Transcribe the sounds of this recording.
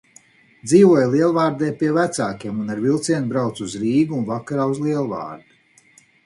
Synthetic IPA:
d̪ziːvuɔjlˠiɛlˠvaːɾd̪ɛjpiɛvæt̪saːkʲiɛmunaɾvilˠt̪siɛnbɾawt̪suzɾiːɡuunvakaɾaːuzlˠiɛlˠva̰ːɾd̪u

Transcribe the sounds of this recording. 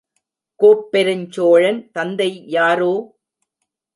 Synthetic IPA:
koːpːɛɾɐɲt͡ʃoːɻɐnt̪ɐnd̪ɐɪjaːɾoː

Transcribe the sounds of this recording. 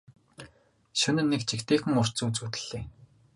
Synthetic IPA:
ʃɵnɘ̆nːekt͡ɕʰikt̪eːxɘ̆ŋʊr̥t͡suːt͡suːt̪ɘ̆ɮ̥eː

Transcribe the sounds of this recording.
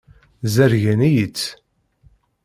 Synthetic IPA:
zæɾʝænæjit͡sː

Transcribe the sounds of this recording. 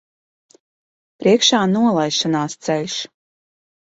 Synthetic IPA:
pɾiɛkʃaːnuɔlˠajʃanaːst̪sɛlʲʃ

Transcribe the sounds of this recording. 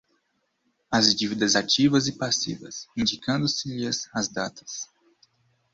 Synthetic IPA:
ɐzd͡ʒivid̪ɐzat͡ʃivɐzɪpasḭvɐ̰sĩnd͡ʒikɐ̃nd̪ʊsɪʎiɐzɐzd̪at̪ɐ̥s

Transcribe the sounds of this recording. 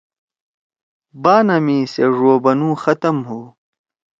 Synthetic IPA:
baːnɐmiseʐoːbɐnũːxɐt̪ɐmɦuː

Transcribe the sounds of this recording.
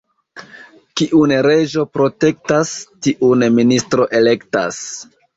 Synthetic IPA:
kiʔunɾe̞ʒo̞pɾo̞te̞k̚tastiʔunministɾo̞ʔe̞le̞kta̰s

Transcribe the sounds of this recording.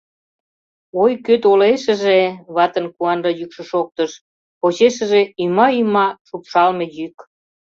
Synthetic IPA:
ojkøt̪oleʃə̆ʒeβɑt̪ənkuɑnrɑjykʃə̆ʃok̚t̪əʃ | pot͡ɕeʃə̆ʒeymɑymɑʃupʃɑlmejyk

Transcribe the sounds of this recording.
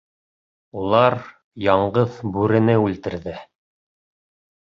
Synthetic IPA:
ulˠɑɾ | jɑɴɢɤðbʉɾɘ̆nɘʉlt̪ɘ̆ɾðɘ

